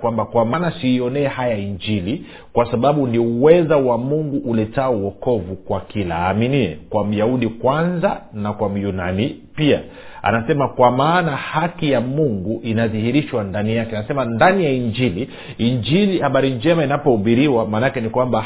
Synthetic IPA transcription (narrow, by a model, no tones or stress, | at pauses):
kwambakwamanasiiɔnɛhajaiɲd͡ʒili | kwasaɓaɓuniuwɛzawamuŋɡuʔulɛtauwɔkɔvukwakilaaːminiɛ̰kwam̩jauɗikwanzanakwam̩juna̰nipia | a̰nasɛmakwamaːnahakijamuŋɡuʔinaðihiɾiʃwandanijakɛanasɛmandanijaiɲd͡ʒili | iɲd͡ʒilihaɓaɾiɲd͡ʒɛmainapɔuɓiɾiwamaːnakɛnikwamba